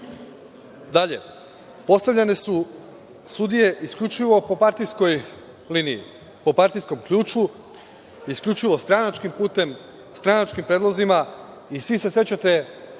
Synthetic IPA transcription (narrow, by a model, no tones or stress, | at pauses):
d̪aʎe̞̰ | po̞st̪aʋʎʲane̞su | sud̪ije̞ʔiskʎʲut͡ʃiʋo̞po̞paɾt̪ijsko̞j | liniḭ | po̞paɾt̪ijsko̞mkʎuːt͡ʃu | iskʎʲut͡ʃiʋo̞st̪ɾanat͡ʃkimpuːt̪e̞m | st̪ɾanat͡ʃkimpɾed̪lˠozima | isʋise̞se̞t͡ɕat̪e̞